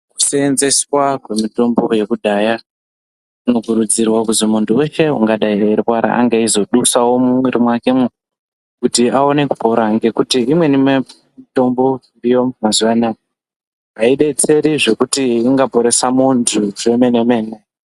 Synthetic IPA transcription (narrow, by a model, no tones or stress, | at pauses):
ku̥seːnze̞swakwe̞mito̞mbo̞je̞kuɗʱaːja | uno̞kuɾud͡zirwakuzimuntʰuwe̞ʃe̞ṵŋɡaɗairaeɾikwaɾa̰ʔa̰ŋɡaizo̞ɗusawo̞mumweɾimwake̞mu | kutiao̞ne̞kupo̞ɾaŋɡe̞kutiimwe̞nime | mito̞mbo̞irijo̞mazuʋana | aiɗe̞t͡se̞ɾiʐe̞kutiːŋɡapo̞ɾe̞samuntʰuʐe̞me̞ne̞me̞ːne